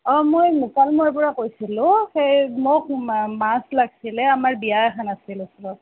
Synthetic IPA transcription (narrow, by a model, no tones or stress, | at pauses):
ɔmojmekalmɔɹpɔɹakojsilʊ̃xejmʊk̚maslaɡsilɛamaɹbijaɛkʰanasilɛsɔbɔt̚